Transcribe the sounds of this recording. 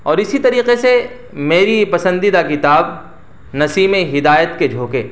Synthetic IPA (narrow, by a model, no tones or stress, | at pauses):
ɔːɾɪsit̪ɐɾiːqese | meːɾipɐsə̃nd̪id̪akɪt̪aːb | nɐsiːmẽɦɪd̪aːjət̪ked͡ʒʱoːkeː